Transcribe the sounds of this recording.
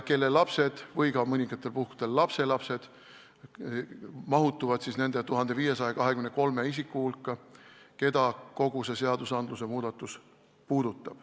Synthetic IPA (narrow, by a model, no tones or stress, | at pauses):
ke̞lːe̞lːɑpse̞d̪̥vɤjkɑmɤnʲiŋɡ̥ɑt̪ːˑe̞lpuhku̥d̪̥e̞lːɑpse̞lɑpse̞d̪̥ | mɑɦut̪ːˑuvɑd̪̥sisne̞nd̪et̪uɦɑnd̪̥e̞viːje̞sɑjɑkɑɦekymneko̞lme̞is̬ikːˑuhulkːˑɑke̞d̪ɑko̞ɡ̥use̞se̞ɑd̪usɑnd̪luse̞muːd̪̥ɑt̪ːˑus | puːd̪̥ut̪ːˑɑb̥